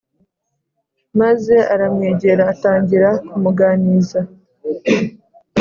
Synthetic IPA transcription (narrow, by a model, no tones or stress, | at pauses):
maze̞aɾamŋeːɟe̞ɾaːtaːɲɟiɾakumuɡaniza